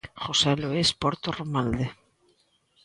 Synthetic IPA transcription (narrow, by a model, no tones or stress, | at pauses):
χoseloispoɾt̪oromald̪e